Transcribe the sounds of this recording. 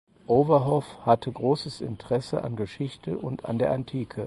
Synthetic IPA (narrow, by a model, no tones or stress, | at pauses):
ʔoːvɐɦɔfhatʰəɡʁoːsəsʔɪ̰ntəʁ̥ɛsəʔa̰nɡəʃɪçtʰəʔʊnta̰ndeːɐʔantʰiːkʰə